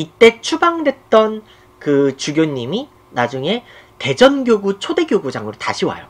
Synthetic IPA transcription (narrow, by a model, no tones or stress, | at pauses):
it͈e̞t͡ɕʰubaŋdwe̞t̚t͈ʌn | kɯt͡ɕuɡjoɲːimi | nad͡ʑuŋe̞te̞d͡ʑʌnɡjoɡut͡ɕʰode̞ɡjoɡud͡ʑaŋɯɾota̰ɕʰiwa̰jo̰